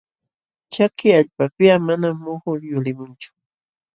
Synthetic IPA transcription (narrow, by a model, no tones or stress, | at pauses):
t͡ʃakɪaʎpapɪamanamːʊhʊɾjʊɾɪmʊnt͡ʃʊ̥